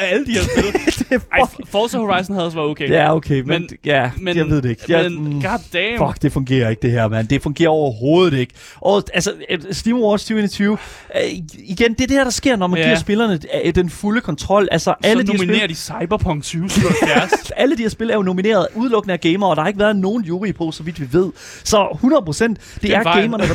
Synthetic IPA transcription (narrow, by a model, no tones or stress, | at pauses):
æləd̥iɐbˠd̥fɒːsɐhoʁɑ̈ɪs̬n̩æð̩ˠɒs̬ʋæɐoe̥æɐoʊkʰḛːmenjæmejɑ̈ɪʋe̝ðˠd̥ee̝ɡ̥jɡ̥ɑd̥d̥ɛfɒ̽ɡ̥d̥e̝fɔ̽ŋɡe̝̰ːɐe̝ɡ̥̚d̥e̝ɦæɐ̰mænd̥e̝fɔ̽ŋɡe̝̰ːɐɒ̰ʊɐɦo̝ːð̞̩ˠe̝ɡ̥ | ʔɒælsəsd̥iːmɐwɒd̥st͡sʰyʊenit͡sʰyːʊ | iɡ̥end̥eæɐd̥e̝hæɐɾ̥ɑ̈sɡ̥e̝ɐ̰nɒmænɡiɐsb̥e̝lɐnəd̥enfuləkʰɒ̽nt͡sʰʁɒ̽l̰ʔælsɒʔælədihɐine̝ɐd̥isɑ̈ɪb̥ɐpʰɒ̽ŋsʰyːʊæɐsæləd̥ihɛɐsb̥elɐæɐjono̝mine̝̰ːɐð̞̩ˠuð̞ˠlɔ̽ɡ̥nəæɐɡ̥eɪmɐɒ̽ɾ̥ɑhɑ̈eɡəʋæːɐð̩ˠno̝ːn̩juːʁipʰo̝̰ːsɒʋid̥ʋiʋe̝ð̞̰ˠ | sɒ̽hunɐð̩ˠpʰʁosen̰d̥d̥e̝æɐɡeɪmɐnə̥